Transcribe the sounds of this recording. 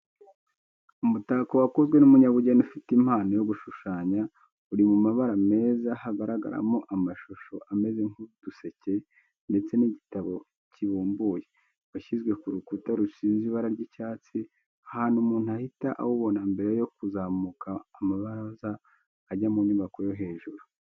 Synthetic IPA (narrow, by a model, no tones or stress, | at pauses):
umutakowakozɡwe̞numuɲaβuɟenufitim̥haːnojo̞ɡuʃuʃaːɲa | uɾimumaβaɾame̞ːzahaɡaɾaɡa̰ɾa̰moʔamaʃoʃo̞ʔame̞zeŋ̥ud̥use̞ce̞ | nde̞t͡se̞niɟitaβo̞ | ciβuːmbuːje̞ | waʃizɡwe̞kuɾukutaɾusiːnziβaɾaɾɟicaːt͡si | ahaːnumuːn̥uahitaʔa̰woβo̞nambe̞ɾejo̞kuzaːmukʰaːmaβaɾzaː | ɟamuɲuːβako̞jo̞ɦe̞ːʒuɾu